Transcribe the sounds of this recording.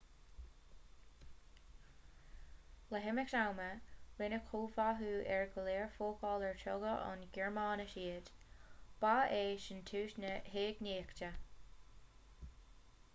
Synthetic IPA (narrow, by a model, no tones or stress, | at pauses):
ləɦɪmɪktawməwɪnəkʰuːvaɦuːʔɛɹɡəleːɹfoːkʰɑːləɹtʰɔɡəʔɑ̰nɡɛɹmɑːnəʃiːəd̥b̥aːeːʃɪntʰuːʃnəheːɡniːktə